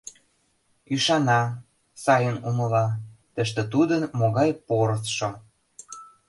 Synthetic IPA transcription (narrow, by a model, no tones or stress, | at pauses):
yʃɑnɑ | sɑjənumɤ̆lɑt̪ə̆ʃt̪ĕt̪ud̪ənmoɣɑjpoɾsʃo